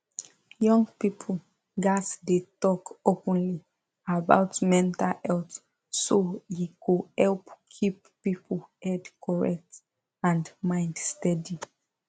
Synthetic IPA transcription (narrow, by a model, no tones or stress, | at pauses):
jɔ̃ŋɡpipʰ | ɡasdetɔkopə̃nli | aba̰ʊtmɛ̃ntalɛlt | sojikuhɛlpkʰip̚ | pipʰlhɛdkʰɔɹɛk̚t | ãndmãɪ̃ndstɛdi